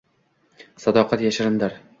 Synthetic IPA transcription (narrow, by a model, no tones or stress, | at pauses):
sad̪ɒqʰɑt̪jaʃɪɾɪnd̪aɾ